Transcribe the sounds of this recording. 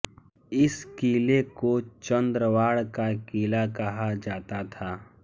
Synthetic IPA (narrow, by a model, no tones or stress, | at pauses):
ɪskiːlekot͡ʃə̃nd̪ɾəʋaːɽkakiːlakɐɦad͡ʒaːt̪at̪ʰaː